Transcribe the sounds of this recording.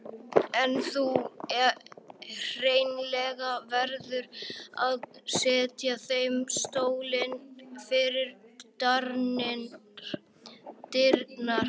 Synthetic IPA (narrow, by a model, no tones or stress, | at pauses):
ɛnθuɛ | r̥eːjnlɛɣavɛɾðʏɾaðsɛːt̪jaθejmst̪oːwlɪnfɪɾɪɾt̪aɾnɪn | t̪ɪɾt̪naɾ